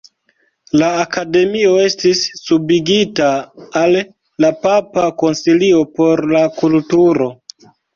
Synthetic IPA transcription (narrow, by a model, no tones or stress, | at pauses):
laːkade̞mio̞e̞stisːubiɡitaːlː | apapako̞nsilio̞po̞ɾlakultuɾo̞